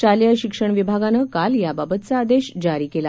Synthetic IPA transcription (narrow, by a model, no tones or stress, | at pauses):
t͡ɕaljəɕikʂəɳʋibʱaɡanəkaljababət̪̚t͡saːd̪eɕd͡ʑaɾiːkela